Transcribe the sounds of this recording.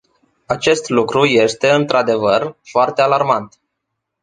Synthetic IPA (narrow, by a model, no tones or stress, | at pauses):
at͡ʃe̞st̪lukɾuje̞st̪e̞ɨnt̪ɾad̪e̞vərfoart̪e̞alarmant̪